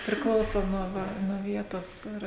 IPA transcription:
pʲrʲɪˈklˠɐʊsoː nuɔ ˈʋɐ nuɔ ˈʋʲiɛtoːs ˈɪr

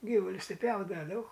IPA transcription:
ˈɡʲiːʋʊlʲʊs ˈtʲɪ ˈpʲjɛʊdɐʋɐ dɐʊk

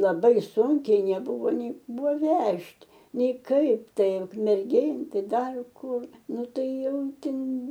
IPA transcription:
lˠɐˈbɐɪ ˈsʊŋʲkʲɛɪ nʲɛˈbʊʋoː nʲɛɪ ˈbʊʋoː ˈʋʲɛʃʲtʲ ˈnʲɛɪ ˈkɐɪp ˈtɐɪ ʊkmʲɛrʲˈɡʲeːn ˈtɐɪ ˈdɐr ˈkʊr ˈnʊ ˈtɐɪ ˈjɛʊ ˈtʲɪn

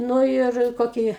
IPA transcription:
ˈnuː ɪr ˈkoːkʲiː

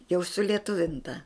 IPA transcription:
jɛʊ sʊlʲiɛˈtʊʋʲɪntɐ

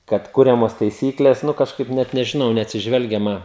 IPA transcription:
kɐt ˈkʊrʲɛmoːs tɐɪˈsʲiːklʲeːs ˈnʊ kɐʃˈkɐɪp ˈnʲɛt nʲɛʒʲɪˈnɐʊ nʲɛɐtʲsʲɪˈʒʲʋʲɛlʲɡʲɛmɐ

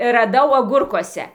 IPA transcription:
rɐˈdɐʊ ɐˈɡʊrkuɔsʲɛ

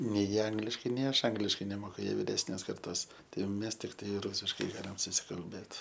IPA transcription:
nʲɛɪ ˈɐŋɡlʲɪʃkɐɪ nʲɛɪ ˈɐʃ ˈɐŋɡlʲɪʃkɐɪ nʲɛˈmoːkʊ ˈjiɛ ʋʲɪˈrʲæːsʲnʲeːs kɐrˈtoːs tɐɪ jɛʊ ˈmʲɛs tʲɪkˈtɐɪ ˈruːsʲɪʃkɐɪ ˈɡɑːlʲɪm sʊsʲɪkɐlʲˈbʲeːt

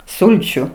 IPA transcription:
ˈsʊlʲt͡ʃʲʊ

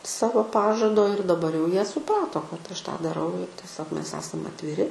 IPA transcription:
ˈsɑːʋoː ˈpɑːʒɐdoː ɪr dɐˈbɐr jɛʊ ˈjiɛ sʊˈprɑːtoː kɐt ɐʃ ˈtɑː dˈɑːrɐʊ ɪr tʲiɛˈsʲoːk ˈmʲɛs ˈæːsɐm ɐtʲʋʲɪˈrʲɪ

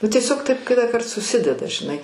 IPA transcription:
nʊ tʲiɛˈsʲoːk ˈtɐɪp kʲɪtɑːˈkɐrt sʊˈsʲɪdʲɛdɐ ʒʲɪˈnɐɪ

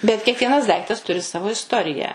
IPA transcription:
bʲɛt kʲiɛkˈʋʲiɛnɐs ˈdɐɪktɐs ˈtʊrʲɪ ˈsɑːʋoː ɪsˈtoːrʲɪjæː

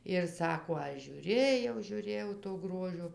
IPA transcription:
ɪr ˈsɑːkoː ˈɐʃ ʒʲuːˈrʲeːjɛʊ ʒʲuːˈrʲeːjɛʊ toː ˈɡroːʒʲoː

